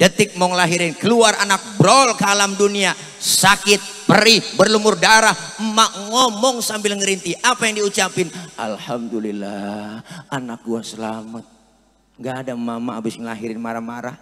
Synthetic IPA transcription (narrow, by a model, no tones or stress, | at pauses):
d̥ət̪ɪk̚maŋlaɦiɾɪnkəluaranak̚bɾɔlkəalamdunia | sakɪt̪̚pəɾibərlumʊrdaɾah̩maʔŋɔmɔŋsambɪlŋəɾint̪iʔapajaŋdiut͡ʃapɪnʔa̰lhamdulilːahʔanak̚duasəlamat̪̚ | ŋɡaːdamamaːbɪsməlaɦiɾɪnmaɾahmaɾah